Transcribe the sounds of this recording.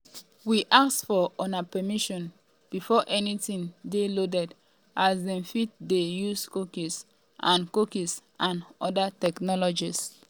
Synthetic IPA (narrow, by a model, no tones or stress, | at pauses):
wiʔaksfɔɔnapɛmiʃɔ̃n | b̥ifɔʔɛnitĩŋdelodɛd | ʔasdɛ̃mfit̚dejuskokis | ʔãnkokisʔãnɔdatɛknɔlɔd͡ʒis